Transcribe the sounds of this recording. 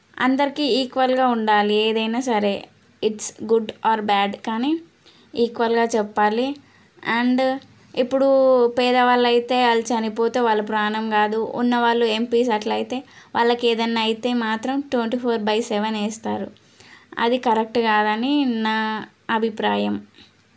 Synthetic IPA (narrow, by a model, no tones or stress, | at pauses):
ɐ̰nd̪ɐɾikiiːkʋɐlɡaːuɳɖaːlieːd̪ɐjnaːsɐɾe̞ː | iʈsɡuɖaːɾbɛːɖkaːni | iːkʋɐlɡaːt͡ʃɛpːaːli | ɐɳɖ | ipːuɽupɛːd̪ɐʋaːɭːɐjit̪e̞ːɐlt͡ʃɐnipoːt̪eːʋaːɭːɐpɾaːnɐmɡaːd̪ṵːnːɐʋaːɭːue̞mpiːs̬ɐʈlɐjit̪e̞ːʋa̰ːɭːɐkeːd̪ɐnːaːjit̪e̞ːmaːt̪ɾɐmʈweɳʈiːpʰoːɾbɐjsɛʋeneːst̪a̰ːɾu | ɐ̰d̪ikɐɾek̚ʈɡaːd̪ɐninaː | ɐbʱipɾaːjɐm